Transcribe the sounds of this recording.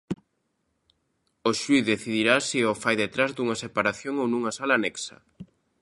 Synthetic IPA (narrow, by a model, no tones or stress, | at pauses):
oʃuiðeθiðiɾasiofajðet̪ɾazd̪uŋɐsepaɾaθjoŋownuŋɐsalanɛksɐ̰